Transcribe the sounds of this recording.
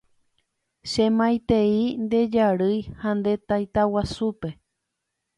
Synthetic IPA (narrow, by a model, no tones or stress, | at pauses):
ʃẽmãjt̪eind̪e̞d͡ʒaɾɨjhãnd̪e̞t̪ajt̪awasupe̞